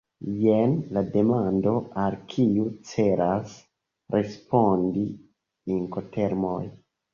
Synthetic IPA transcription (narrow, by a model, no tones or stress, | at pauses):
jenlade̞mando̞ʔalkʰiut͡se̞ɾas | ɾʔespondi | iŋkotʰe̞ɾmoj